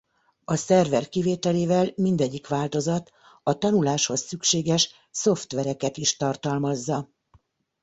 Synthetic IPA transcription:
ɒsɛrvɛrkiveːt̪ɛleːvɛlmind̪ɛɟːikʋaːlt̪o̞zɒt̪ | ɒt̪ɒnulaːʃho̞sːykʃeːɡɛʃ | so̞ft̪ʋɛɾɛkɛt̪iʃt̪ɒrt̪ɒlmɒzːɒ

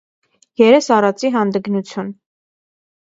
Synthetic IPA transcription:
jɛɾɛsɑrɑt͡siɦɑnd̪əɡnut͡sʰjun

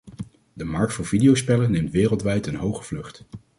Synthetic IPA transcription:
dəmɑɹk̚tfʊːɹv̥idijowspɛlənːejmtʋɪːrəlˠtʋɛjtənɦowχə̥v̥lɵχt

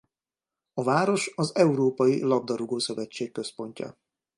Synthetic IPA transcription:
ɒvaːɾo̞ʃɒzɛuɾoːpɒjilɒb̚d̪ɒɾuɡoːsø̞vɛt͡ʃːeːkːø̞spo̞ɲcɒ̰

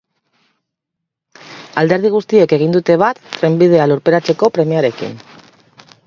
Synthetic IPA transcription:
ald̪e̞ɾðiɣ̞ust̪ieke̞ɣ̞ind̪ut̪e̞β̞at̪ːɾembið̞e̞aluɾpe̞ɾat͡se̞ko̞pɾe̞miaɾe̞kḭn

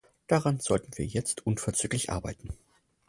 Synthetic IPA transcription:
d̥aʁanz̥ɔltn̩viːɐjɛt͡stʰʔʊnfɛɐt͡syːklɪçʔa̰ɐbaɪtn̩

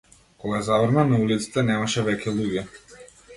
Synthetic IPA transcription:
kɔɡazavɾnanaulit̪si̥t̪ɛnɛmaʃɛvɛcʲɛlˠuɡʲɛ

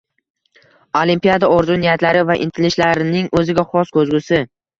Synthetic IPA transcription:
olimpijad̪aoɾzʊnijat̪laɾɪvaʔɪ̰nt̪ʰɪlɪʃlaɾɪnɪŋʔɵzɪɡʲaχɒskʰɵzɡʲʊsɪ

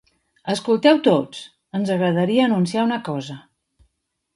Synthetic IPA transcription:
əskulˠt̪ɛwt̪ot͡s | ənzəɣɾəðəɾiəːnunsiaunəkɔzə

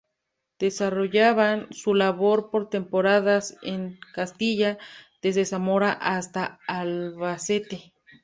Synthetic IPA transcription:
d̪̥e̞saro̞ʝaβansulaβo̞ɾpo̞ɾt̪e̞mpo̞ɾaðaseŋkast̪iʝað̥e̞zðesamo̞ɾaʔast̪aːlβaset̪e̞

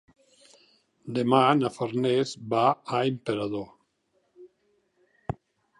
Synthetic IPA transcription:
d̪emanafaɾnezbaaempeɾaðo

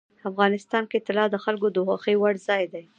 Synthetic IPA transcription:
afɣɑnɪst̪ɑnket̪ɪlɑd̪əxalkod̪oɣaxəjwaɽzɑjd̪aj

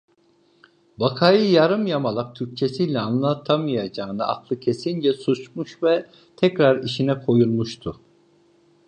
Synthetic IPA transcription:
bakʰajɯjaɾɯmjamalˠak̚t̪ʰyɾc̚t͡ʃʰesijlʲɛanlˠat̪ʰamajad͡ʒaːɯnɯa̰klˠɯcʰe̞sind͡ʒɛsut͡ʃmuʃvɛ | t̪ʰɛcɾaɾiʃinɛkʰo̞julˠmuʃt̪ʰʊ

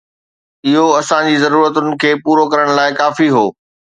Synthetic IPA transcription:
ɪɦoɐsãd͡ʑiːzɐɾuːɾət̪ʊnɪ̆kʰeːpuːɾokɐɾəɽ̃̆laːɪkaːfiɦoː

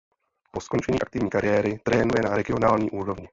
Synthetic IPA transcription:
po̞sko̞nt͡ʃɛɲiːʔak̚t̪ɪvɲiːkaɾɪjɛːɾɪt̪ɾɛːnujɛnaɾɛɡɪo̞naːlɲiːʔuːɾo̞vɲɪ

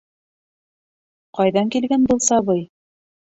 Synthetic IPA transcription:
qɑjðɑŋkilɡænbɤlˠsɑβɤj

